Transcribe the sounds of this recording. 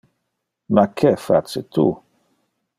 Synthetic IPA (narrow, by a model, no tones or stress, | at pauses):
makʰefa̰t͡set̪ʰṵ